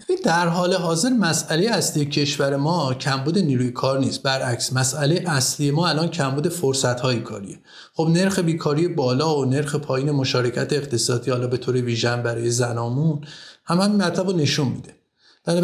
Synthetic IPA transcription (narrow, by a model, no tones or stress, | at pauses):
ind̪æɾɦɒːle̞ɦɒːze̞ɾmæsælejeæslijecʰe̞ʃvæɾe̞mɒːcʰæmbuːd̪e̞niːɾuːjekʰɒːɾniːst̪̚bæɾʔæcsmæsʔæle̞jeʔæslije̞mɒːælɒːncʰæmbuːd̪e̞foɾsæt̪hɒːjikʰɒ̰ːɾḭje̞ | χo̞bne̞ɾxe̞biːkʰɒːɾije̞bɒːlɒːone̞ɾxepʰɒːjiːne̞mo̞ʃɒːɾe̞cʰæt̪ʰeːxt̪ʰe̞sɒːd̪iːhɒːlɒːbe̞t̪ʰoːɾe̞viːʒæmbæɾɒːje̞zænɒːmunhæmæmmæt̪ʰlæbone̞ʃunmḭːd̪e̞ | d̪̥æɾ